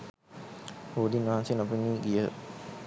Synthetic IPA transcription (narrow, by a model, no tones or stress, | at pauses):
hoːd̪inʋɐɦansenapəmːiːɡijə